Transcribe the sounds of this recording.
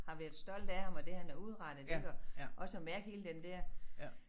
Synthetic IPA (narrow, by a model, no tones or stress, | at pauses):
hɑ̈ʋæɐðˠsd̥ɒ̽l̰d̥æhɑ̈mɒ̽d̥e̝hænæɐuð̞ˠʁɑ̈d̥ð̩ˠeɡ̥ɒʔɒ̽səɒmæɐɡ̥he̝ːləd̥end̥ɛɐ̰